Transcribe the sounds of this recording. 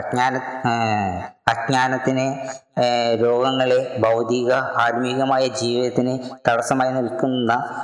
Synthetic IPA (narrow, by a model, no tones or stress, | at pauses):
ɐɲaːnɐ | ɐdɲaːnɐt̪ːinɨ | ɾoːɡɐŋːɐɭe̞bɐwd̪iɣɐaːɾmiɣɐmaːjɐd͡ʑiːʋiðɐt̪ːinɨt̪ɐɽɐsɐmaːjinilkunːɐ